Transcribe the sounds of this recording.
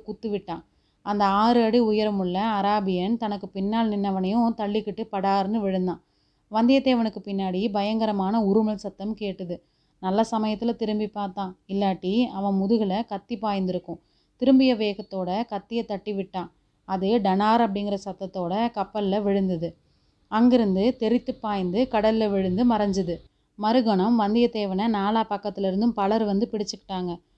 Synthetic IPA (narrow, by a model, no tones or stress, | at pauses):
kʊt̪ːɯʋɪʈːãː | ɐnd̪ɐaːɾɯɐɽiʊjɐɾmʊɭːɐɐɾaːbɪjɐnt̪ɐnɐkːɯpɪnːaːlnɪnːɐʋɐnɐjʊ̃t̪ɐɭːɪkːɪʈːɯpɐɽaːɾɯnɯʋɪɻɯnd̪ãː | ʋɐnd̪ɪjɐt̪ːeːʋɐnɯkːɯpɪnːaːɽibɐjɐŋɡɐɾɐmaːnɐʊɾɯmɐɭsɐt̪ːɐmkeːʈːɯðɯ | nɐlːɐsɐmɐjɐt̪ːɪlɐt̪ɪɾɯmbipaːɾt̪ãːɪlːaːʈːiɐʋɐ̃mʊðɯɣɐɭɐkɐt̪ːipaːjɐnd̪ɪɾɯkːʊ̃ | t̪ɪɾɯmbɪjɐʋeːɣɐt̪ːoːɽɐkɐt̪ːɪjɐt̪ːɐʈːiʋɪʈːãː | ɐðɯɖɐnaːɾɐp̬ːɐɽɪŋɡɪɾɐsɐt̪ːɐt̪ːoːɽɐkɐpːɐllɐʋɪɻɯnd̪ɐðɯ | ɐŋɡɪɾɯnd̪ɯt̪ɛɾɪt̪ːɯpːaːjɐnd̪ɯkɐɽɐllɐʋɪɻɯnd̪ɯmɐɾɐɲd͡ʒɯðɯ | mɐɾɯɣɐɳɐmʋɐnd̪ɪjɐt̪eːʋɐnɐnaːlaːpɐkːɐt̪ːɪlɪɾɯnd̪ɯmpɐlɐɾʋɐnd̪ɯpɪɽɪt͡ʃːɯkːɪ̥ʈːaːŋɡɐ